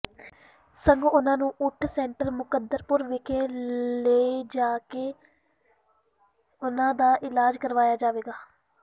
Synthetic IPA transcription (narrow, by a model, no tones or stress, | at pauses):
səŋɡʊnãːnũːʔʊʈʰsɛːɳʈəɾmʊkəd̪ːəɾpʊɾʋɪkʰeːleid͡ʒaːkeː | ʊnãːd̪aːʔɪlaːd͡ʒkəɾʋaːjaːd͡ʒaːʋeːɡaː